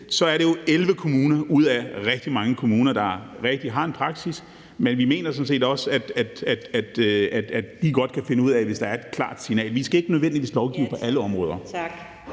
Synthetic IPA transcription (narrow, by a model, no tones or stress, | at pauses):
sɒ̽æɐɾe̝jo̝elʋəkʰo̝muːnɐuð̞̰ˠæʁɛɡ̥̚d̥imɑ̈ŋəkʰo̝muːnɐd̥ɑ̈ | ʁɛɡ̥̚d̥iɦɑ̈e̝npʰʁɑ̈ɡ̥sis | menʋime̝̰ːnɐs̬ɔ̽nse̝̰ːd̥ɒ̽sæd̥æd̥æd̥æd̥æ̥ædd̥iɡɒ̽d̥̚kʰæfe̝nəuð̰ˠæʋe̝sd̥ɑ̈æɐe̝d̥kʰlɑ̰̈ːd̥sinɛ̰ːlʋisɡ̥æe̝ɡ̥ənøð̞ˠʋen̰d̥iʋḭːslɒʊɡ̥ḭːʊpʰɒ̽ʔæləɒ̽mʁɔ̽ːð̞ˠɐɡ̥